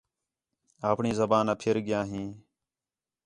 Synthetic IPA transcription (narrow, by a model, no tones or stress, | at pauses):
aːpɳiːzəbaːnaːpʰɪɾɡɪjãːɦĩː